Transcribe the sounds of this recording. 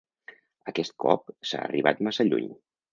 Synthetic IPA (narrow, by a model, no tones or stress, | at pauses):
əkɛst̪̚kʰɔp̚sa̰ːriβat̪masaʎuɲ